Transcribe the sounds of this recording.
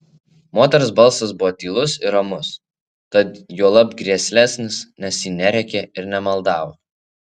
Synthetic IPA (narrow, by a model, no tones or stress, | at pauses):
moːt̪ʲɛɾosbɐlˠsɐs̬bʊʋɔt̪ʲiːlˠʊsɪɾɐmʊs | t̪ɐt̪juɔlˠɐpɡɾʲiɛsʲlʲæːsʲnʲɪsnʲɛsjiːnʲɛɾʲɛkʲeɪɾnʲɛmɐlˠd̪ɑːʋoː